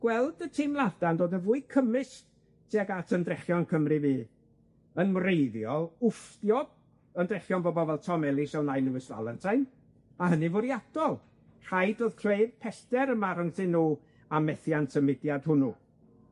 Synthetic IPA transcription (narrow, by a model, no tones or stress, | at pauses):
ɡ̥wɛlˠdətʰimlˠadandoːdəvuːɨkʰəmɨs | tʰiaɡatʰəndrɛχjɔnkʰəmrɨviː | ənmrejðjɔlˠʊfdjɔb̥ | əndrɛχjɔnbɔbɔvɛlˠtʰɔmɛlˠisɛwnajlɪwɪsva̰lˠɛntʰajn | aɦənɨvʊɾjad̥ɔlˠ | r̥ajdəðkʰr̥eɨðpʰɛstɛɾəmaɾəntʰɨnuː | amɛθjantʰəmɪdjad̥hʊnu